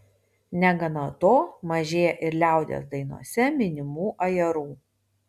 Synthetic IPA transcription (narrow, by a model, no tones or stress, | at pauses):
nʲɛɡɐnot̪oːmɐʒʲeːjɛʔɪɾlʲæˑʊd̪ʲḛsd̪ɐɪnṵɔsʲɛmʲɪnʲɪmuːʔɐjɛɾuː